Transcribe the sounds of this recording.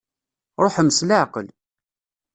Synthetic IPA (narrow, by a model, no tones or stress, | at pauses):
ɾˤoħməslaʕqə̰l